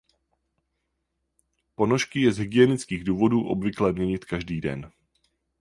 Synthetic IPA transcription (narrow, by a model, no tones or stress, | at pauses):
po̞noʃkɪjɛzɦɪɡɪjɛnɪt͡skiːɣduːvo̞duːʔo̞̰bvɪklɛːmɲɛɲɪt̪kaʒdiːdɛ̰n